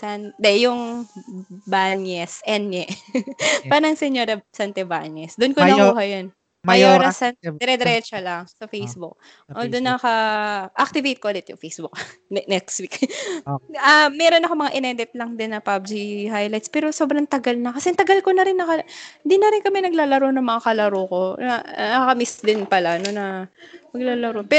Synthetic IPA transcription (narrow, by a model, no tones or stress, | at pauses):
sand̪ɛjʊŋ | baɲɛsʔɛnɛ | paːɾɐɐŋsɛɲoːɾɐsant̪ɛbaɲɛsd̪ʊnkoɐuːhɐjon | mɐjoɾɐsanɛɾɛd̪ɛɾɛt͡ʃɐlɐŋsɐfejsbʊk̚ | ʔod̪ʊnːɐkɐʔak̚t̪ɪvejt̪̚koʔɐlɪt̪jʊŋfejsbʊk̚nɛkst̪wik | ɐmːɛɾo̞nɐkomɐŋaʔɪnɛd̪ɪt̪̚lɐŋd̪ɪnːɐpab̚d͡ʒihajlajt̪spɛːɾoso̞ːbɾɐŋt̪ɐɡalnɐkɐsɛnt̪ɐɡalko̞nɐɾɪnːɐkɐhɪnd̪inɐɾɪnkɐmɛnɐɡ̚laːlɐɾonɐŋmɐŋakɐlɐɾoko̞nɐnɐɐkɐmisd̪ɪnpɐlanonɐmɐɡ̚lalɐɾopɛ